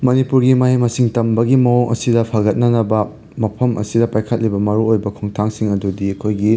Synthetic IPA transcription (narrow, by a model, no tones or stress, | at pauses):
mɐnipuɾɡimaɦimɐsiŋtɐmbɐɡimɐoŋɐ̰sidɐpʰaɡɐt̚nɐnɐbɐ | mɐpʰɐmʔɐ̰sidɐpajkʰɐt̚libɐmɐɾuojbɐkʰoŋtʰaŋsiŋɐdudiɐkʰojɡi